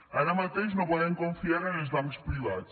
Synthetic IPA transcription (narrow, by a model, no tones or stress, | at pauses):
ɐɾɐ̃mɐt̪ejʒnɐ̃w̃pɔðẽj̃kõfiaɾɐ̃jɐʒuðamuʃpɾilˠa̰ð